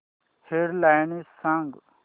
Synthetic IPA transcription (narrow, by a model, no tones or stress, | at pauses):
heɾlaːjnisãŋɡ